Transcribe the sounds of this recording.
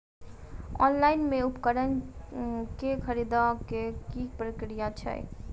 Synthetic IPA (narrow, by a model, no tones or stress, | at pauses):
ɔ̰nlaɪnmeupkəɾən | kekʰəɾid̪akekipɾəkɾijat͡ʃʰə̰j̰